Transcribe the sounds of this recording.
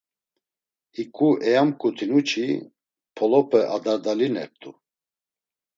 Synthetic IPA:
hikʼuʔɛjamkʼut̪ʰinut͡ʃʰi | pʰɔlɔpʰɛʔad̪aɾd̪alinɛ̰p̚t̪ʼu

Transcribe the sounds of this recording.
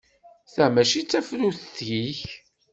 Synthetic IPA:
θæmæʃit͡sːæfɾuθəθʝiç

